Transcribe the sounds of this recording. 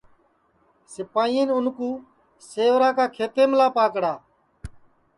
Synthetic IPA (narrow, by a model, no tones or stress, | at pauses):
sɪpaːiiːnʊnkũː | seːʋɾaːkaːkʰeːt̪eːmlaːpaːkɽaː